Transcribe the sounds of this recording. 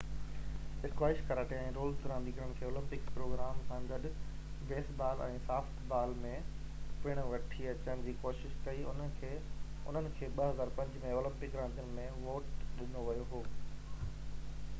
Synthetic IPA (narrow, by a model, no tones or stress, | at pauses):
ɪɾkwaːɪʃkɐɾaːʈʰeɛ̃ːɾoːlt̪ʊɾãːnɗ̪iːkəɾəɽ̃̆kʰeːoːlɪ̃mpɪkpɾoːɡɾaːmsãːɡɐɗ | beːsbaːlɛ̰̃ːsaːfʈʰbaːlmẽpɪɽ̃ʋɐʈʰiɐt͡ɕəɽ̃̆d͡ʑiːkoːʃɪʃk̪ɐiʊn̤ənɪ̆kʰeːʊ̰n̤ənɪ̆kʰeːɓɐɦɐzaːɾpɐ̃ɲd͡ʑmẽoːlɪ̃mpɪkɾãːnd̪ijʊnɪ̆mẽʋoːʈɗɪnoʋɐjoɦoː